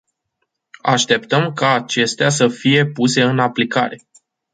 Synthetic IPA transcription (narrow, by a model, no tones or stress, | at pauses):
a̰ʃt̪e̞p̚t̪əmkaːt͡ʃe̞st̪easəfije̞puse̞ɨnaplika̰ɾe̞